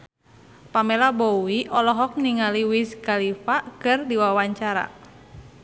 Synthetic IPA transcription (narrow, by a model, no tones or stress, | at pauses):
pamɛlabɔwiʔɔlɔɦɔk̚niŋaliwiskalifakɨrdiwawaɲt͡ʃaɾa̰